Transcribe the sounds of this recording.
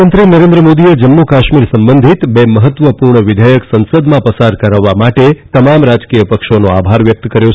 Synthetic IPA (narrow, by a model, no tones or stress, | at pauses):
ənt̪ɾenəɾẽnd̪ɾəmod̪ied͡ʒəmːukaʃmiɾsəmbənd̪ʱit̪beməɦət̪ːʋəpuɾɳəʋɪd̪ʱəjəksə̃nsəd̪mãpəsaɾkəɾaʋːamaʈet̪əmamɾad͡ʒkijəpəkʃonoa̰bʱaɾʋjək̚t̪kəɾjo